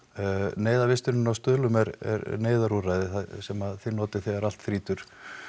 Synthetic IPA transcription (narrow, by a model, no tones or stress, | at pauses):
neːjðavɪst̪ɪɾnʏnawst̪ʏðlʏmɛɾɛ̰ɾneːjðaɾuɾajðɪθasɛmaðθeɾnɔːt̪ɪ̥θɛɣaɾal̥t̪θɾiːt̪ʏɾ̥